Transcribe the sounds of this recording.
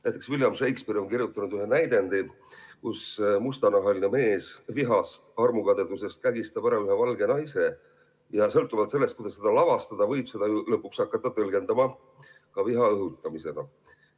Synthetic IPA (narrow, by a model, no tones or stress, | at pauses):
næjt̪ːˑe̞ksvilʲjɑmʃejkspeɾio̞nkirjut̪ːˑɑnud̪yɦe̞næjd̪e̞nd̪̥i | kusmust̪ɑnɑɦɑlineme̞ːsviɦɑst̪ɑrmukɑd̪ed̪̥use̞st̪̚kæɡist̪ɑb̥æɾɑyɦe̞vɑlɡe̞nɑjse̞ | jɑsɤlt̪ːˑuvɑlt̪se̞lːest̪kujd̪̥ɑse̞d̪ɑlɑvɑst̪ɑd̪̥ɑvɤ̞jb̥se̞d̪̥ɑjulɤpːˑuksɑkːɑt̪ːˑɑt̪ɤlɡ̥e̞nd̪̥ɑmɑ | kɑviɦɑɤɦut̪ːˑɑmise̞ɡɑ̰